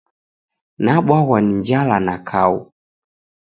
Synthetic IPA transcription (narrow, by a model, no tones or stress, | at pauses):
naɓwawaniɲd͡ʒalanakʰaṵ